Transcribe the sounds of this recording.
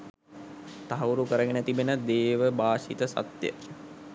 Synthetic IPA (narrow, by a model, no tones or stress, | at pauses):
t̪aɦwɾukəɾəɡenət̪ibenəd̪eːʋəbaːʃit̪əsa̰t̪jə̰